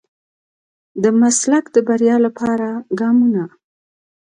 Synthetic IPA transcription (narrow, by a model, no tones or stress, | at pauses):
d̪əmaslakd̪əbaɾjɑlapʰɑɾaɡɑmuna